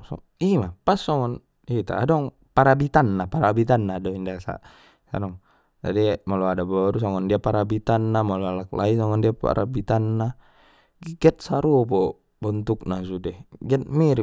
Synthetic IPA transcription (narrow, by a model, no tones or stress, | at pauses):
sɔ̰ | imapasːɔŋɔn | it̪a̰ːdɔŋ | paɾabit̪anːapaɾabit̪anːaːdɔindasa̰ | sa̰nɔŋ | d͡ʒadimalɔadabɔɾus̬ɔŋɔndiapaɾabit̪anːamɔlɔalak̚laisɔŋɔndiapa̰ɾʔabit̪anːa | ɡiɡɛt̪̚saɾupɔ | bɔnt̪uk̚nasudɛɡɛt̪̚miɾi